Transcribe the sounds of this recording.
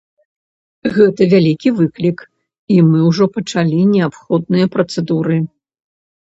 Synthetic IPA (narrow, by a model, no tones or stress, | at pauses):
ɣɛt̪ɐvʲalʲikʲivɨklʲik | imɨwʐɔpɐt͡ʂalʲinʲɛapxɔd̪̚nɨjɐpɾɐt̪sɛd̪uɾɨ